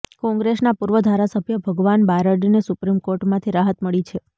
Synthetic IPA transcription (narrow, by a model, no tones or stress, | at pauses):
kɔ̃ŋɡɾesnapuɾʋəd̪ʱaɾasəbʱjəbʱəɡʋanbaɾəɖnesupɾimkoɾʈmãt̪ʰiɾaɦət̪məɭit͡ʃʰe